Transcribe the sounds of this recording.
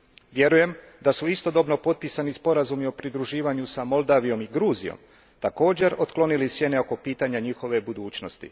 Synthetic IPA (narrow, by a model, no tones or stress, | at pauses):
ʋje̞ɾuje̞m | d̪asuist̪o̞d̪o̞bno̞po̞t̪̚pisanispo̞ɾazumio̞pɾid̪ɾuʒiːʋaɲusamo̞ld̪aːʋijo̞miɡɾuːzijo̰m | t̪ako̞ːd͡ʑe̞ɾo̞t̪klˠo̞nilisje̞ne̞o̞ko̞piːt̪aɲaɲiːxo̞ʋe̞bud̪uːt͡ɕno̞st̪ḭ